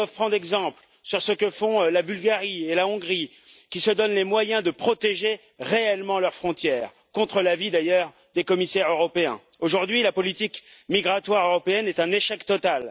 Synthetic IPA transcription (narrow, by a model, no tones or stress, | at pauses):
afpχɑ̃d̪ʁɛɡzɑ̃pl | syʁsəkəfɔ̃labylɡaʁielaɔ̃ɡʁi | kʲisəd̪ɔnlemwajɛ̃d̪əpχɔt̪eʒe | ʁeɛlmɑ̃lœʁfχɔ̃t̪jɛːʁ | kɔ̃t̪χəlavid̪ajœʁ | d̪ekɔmisɛʁøʁɔpeɛ̰̃oʒuʁd̪ɥilapɔlit̪ikmiɡʁat̪waʁøʁɔpeɛnɛt̪ɛ̃neʃɛkt̪ɔt̪al